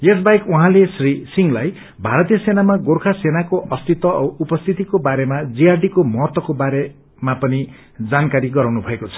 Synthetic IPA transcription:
es̬bajkuɦãlesrisiŋlaj | bʱaɾʌt̪ijʌsenamaɡorkʰasenakoʔʌst̪it̪wʌʔʌupʌst̪ʰit̪ikobaɾemad͡ziarɖikomʌɦʌt̪wʌkobaɾe | mapʌni | d͡zankaɾiɡʌɾawnubʱʌekot͡sʰʌ̥

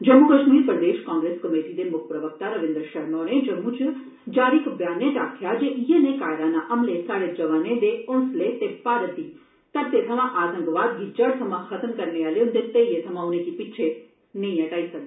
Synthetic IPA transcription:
d͡ʒɐmːukəʃmiːɾpɾəd̪eːʃkãːŋɡɾeːskɐmeːʈid̪emʊkʰpɾəʋək̚t̪aɾɐʋɪ̃nd̪ɾʃɐɦnɔːnẽd͡ʒɐmːut͡ʃ | d͡ʒaːɾikbjaːnẽʈ̪aːk̚t̪ʰjad͡ʒeʔijenekaːɪɽaːnaʔɐmlesaːɽed͡ʒɐʋaːnẽd̪eʊnslet̪epaːɾət̪i | t̪ɐb̚t̪et̪ʰɐmãʔaːt̪ə̃ŋɡʋaːd̪̚ɡʱid͡ʒɐɽt̪ʰɐmãxɐt̪əmkɐɾneaːleõnd̪et̪eijet̪ʰɐmãʊnẽkipɪt͡ʃʰe | nɐĩɐʈaːisɐk̚d̪

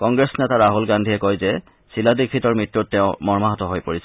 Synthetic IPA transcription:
kɔŋɡɹesnɛtaɹaɦulɡandʱiɛkojzɛ | siladikʰːitɔɹmitɹotːɛʊ̃mɔɹmaɦɔtɔɦojpoɹisɛ

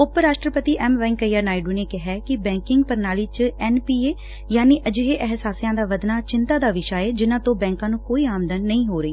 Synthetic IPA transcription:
ʊpɾaːʃʈɾəpət̪iːʔɛːmʋɛ̃ːŋkəjaːnaːɪɖuːneːkɪɦɛːkɪbɛ̃ːŋkɪŋɡpəɾnaːliːt͡ʃɛːnpiːeː | jaːniːʔəd͡ʒɦeːʔɛɦsaːsijãːd̪aːʋəd̪naːt͡ʃɪnt̪aːd̪aːʋɪʃaːeːd͡ʒɪnãːt̪õːbɛ̃ːŋkãːnũːkoːiːaːmd̪ənːəĩːɦoːɾəiː

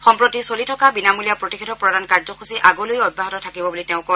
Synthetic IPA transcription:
xɔmpɹotisolitʰɔkabinamulijapɹotikʰetʰɔpɹɔdankaɹzɔxʰusiʔaɡɔlojɔdbaɦɔtɔtʰakibɔbuliteʊ̃kɔ

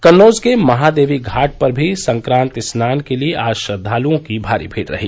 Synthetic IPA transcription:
kɐnːoːzkemɐɦaːd̪eːʋiɡʱaːʈ̚pɐɾbʱisɐ̃ŋkɾãːnt̪ɪsnaːnkelieʔaːʃəd̪ʱːaːluõkibʱaːɾḭbʱeːʈɾɐ̰ɦḭː

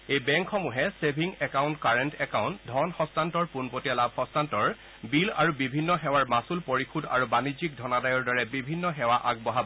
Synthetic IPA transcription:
ejbɛŋkxɔmuɦɛsebʱiŋɛkaw̃ntkaɹɛntɛkaʊ̃ntdʱɔnxɔstantɔɹpunpotijalab̚ʱxɔstantɔɹ | bila̰ɹubibʱinːɔɦɛwaɹmasulpoɹikʰuda̰ɹubanid͡ʑik̚dʱɔnadajɔɹdɔɹɛbibʱinːɔɦɛwaʔaɡ̚bɔɦab

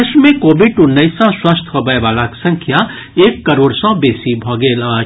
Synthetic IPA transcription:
eʃmẽkoːbɪɖʊnːəɪsɔ̃swaːst̪ʰəbəjʋaːlaksɐ̃ŋkʰja | eːkːəɾoːɽsɔ̃beːsibʱɔːɡeːlaː

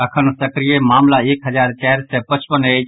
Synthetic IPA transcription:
əkʰənsəkɾijemaːmlaeːkɦəd͡ʒaːɾt͡ʃɛːɾsɛpət͡ʃʰpəne

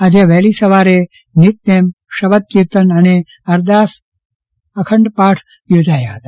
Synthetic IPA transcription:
ɐd̪ʱeʋeːlisɐʋaːɾe | nit̪̚neːmʃɐbɐd̪kiɾt̪ɐnɐne | ɐɾd̪aːs | ɐkʰɐɳɖpaːʈʰ | ud͡ʒ̪ʱaːjaɦɐt̪aː

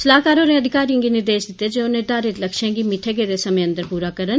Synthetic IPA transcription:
səlaːkaːɾoːɾẽːəd̪ɪkaːɾijãŋɡiːnɪɾd̪eːʃd̪ɪt̪ːeːd͡ʒenẽːd̪aːɾet̪ləkʃãːɡiːmɪʈʰeːɡeːd̪eːsəmẽːə̃nd̪əɾpuːɾaːkəɾən

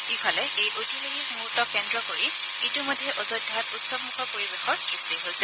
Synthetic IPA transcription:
kifʰalɛʔejʔotibaxik̚muɹtɔkːɛndɹɔkoɹi | itimɔjdʱːjɛʔɔzɔdʱatutsɔb̚mukʰɔpoɹibexɔɹsɹistiɦojsɛ

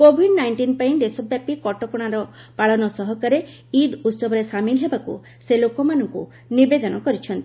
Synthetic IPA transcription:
kobʱiɖnajɳʈinpaĩd̪esɔbjapikɔʈɔkɔɽ̃aɾɔpaɭɔnɔsɔɦɔkaɾe | id̪ut̪sɔbʱɔɾesamilɦebakṵ | selokɔmanɔŋku | nibed̪ɔnɔkɔɾit͡ʃʰɔnt̪i

